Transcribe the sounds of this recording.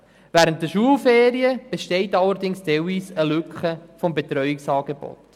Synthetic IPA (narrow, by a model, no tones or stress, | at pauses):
væɾənt̚dəʃuəlˠfeːɾiəb̥eʃtɛɪtɑlːəɾdɪŋsd̥ɛwisəlʏkχəfɔmbetɾœʏiksɑːɡ̥ebɔ̰t